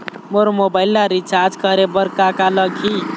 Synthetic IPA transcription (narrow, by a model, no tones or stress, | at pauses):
moɾomobaɪlːaɾit͡ʃaɾd͡ʒkʌɾebəɾkakaləɡʱʰi